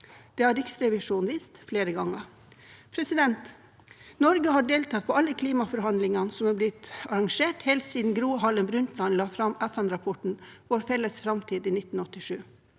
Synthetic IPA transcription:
d̪̥ɛːhɑɾɪksɾɛʋɪʂuːnʋiːst̪fleːɾəɡɑŋːə | pʰɾɛsɪd̪ɛnt̪ | nɔɾɡəhɑɖeːlt̪ʰɑːt̪̚pʰɔːɑlːəkʰliːmɑfɔɾhɑnd̪lɪŋɑnsɔmɑblɪt̪ɑɾɑŋʂeːʈhɛːlt̪siːd̪n̩ɡɾuːəɦɑlənbɾʉnt̪lɑnlɑːfɾɑmʔæfænɾɑpʰɔʈɳ̩ʋoːɾfɛlːəsfɾɑmt̪ʰiːd̪iːnɪt̪n̩ɔt̪ːɪʂʉː

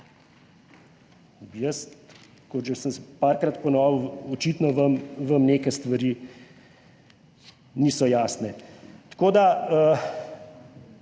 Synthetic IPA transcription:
jəs | koʒɛsənspaɾkɾat̪pɔnɔːʋəɔt͡ʃit̪nɔʋəmʋɐmnekɛst̪ʋɐɾiː | niːsɔjaːsnɛt̪koːd̪aə

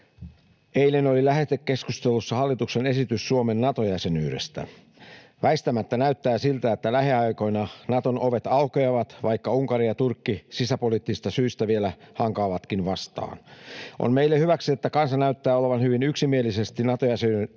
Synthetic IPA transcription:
eilenolilæɦet̪ekkːe̞skust̪elusːɑhɑlːit̪uksenesit̪ysːuomenːɑt̪ojæsenyːɾḛst̪æ̰ | ʋæist̪æmæt̪ːænæyt̪ːæːsilt̪æet̪ːælæɦeɑjko̞jnɑnɑt̪onoʋe̞t̪ɑukeɑʋɑt̪ʋɑikːɑuŋkɑɾijɑt̪urkːisisæpolit̪ːisist̪ɑsyist̪æʋielæhɑŋkɑːʋɑt̪kinʋɑst̪ɑ̰ːnʔo̰nmeilːehyʋæksiet̪ːækɑnsɑnæyt̪ːæːoleʋɑnhyʋinyksimie̞lise̞st̪inɑt̪ojæseny

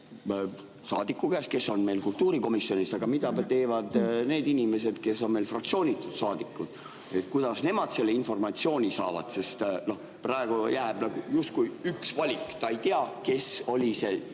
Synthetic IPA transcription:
sɑːd̪̥ikːˑukæːske̞sːo̞nme̞jlkult̪ːuːɾiko̞misːjo̞nisɑɡ̥ɑmid̪ɑt̪e̞ːvɑd̪̥ne̞ːd̪inʲime̞s̬e̞d̪̥ke̞sːo̞nme̞jlfrɑk̚t̪sio̞ːnʲit̪ːˑud̪̥sɑːd̪ikːˑud̪̥ | et̪kujd̪̥ɑsne̞mɑd̪̥se̞lːe̞info̞rmɑt̪sio̞ːnʲisɑ̰ːvɑ̰d̪̥se̞st̪no̞h | prɑˑe̞ɡ̥ujæːb̥nɑɡ̥ujust̪̚kujyksvɑlʲikːˑt̪ɑe̞jt̪iɑke̞so̞lʲise̞

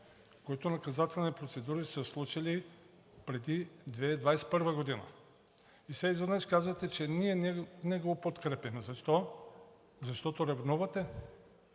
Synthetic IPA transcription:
koit̪onɐkazat̪ɛlˠnipɾot̪sɛd̪uɾisəslˠut͡ʃili | pɾɛd̪id̪vɛd̪vajɛsɛ̥pəɾvɐɡod̪inɐ̰ | isɛizad̪naʃkazvat̪ɛt͡ʃɛniɛnɛnɛɡopot̪kɾɛpɛmzɐʃt̪ɔ | zɐʃt̪ɔt̪oɾavnɔvɐt̪ɛ

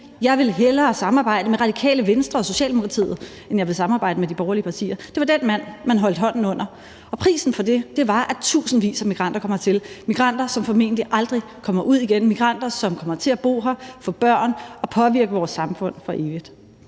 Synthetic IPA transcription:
jɑ̈ɪʋe̝lɦelɐːsɑ̈mɑ̈ːb̥ɑ̈ɪ̰dəmeʁɑ̈d̥ikʰɛ̰ːləʋensd̥ʁɐɒ̽so̝ɕɛ̰ːld̥emokʰʁɑt͡sʰḭːð̩ˠ | enjɑ̈ɪʋe̝lsɑ̈mɑːbɑ̈ɪ̰d̥əmedib̥ɒʊɐliəpʰɑt͡sʰḭːɐd̥e̝ʋɑ̈d̥en̰mæn̰mænɦɒ̽l̰d̥əɦɒ̽n̰n̩ɔ̽n̰ɐ | ɒ̽pʰʁḭːsn̩fɒ̽d̥e̝d̥e̝ʋɑ̈ʔæt͡sʰṵːsn̩ʋḭːsæmiɡ̥ʁɑ̈n̰d̥ɐkʰɒ̽m̰ɐt͡sʰe̝lmiɡ̥ʁɑ̈n̰d̥ɐsɒ̽mfɒ̽me̝̰ːnə̥liʔɑ̈ld̥ʁikʰɒ̽mɐʔuð̰ˠiɡ̥enmiɡ̥ʁɑn̰d̥ɐsɒ̽mkʰɒ̽mɐt͡sʰe̝læb̥o̝̰ːɦɐfɔ̽ːb̥ɶɐ̰nɒ̽pʰɒ̽ʋiɐɡ̥əʋɒːsːɑ̈mfɔ̽n̰fɒ̽ʔe̝ːʋid̥

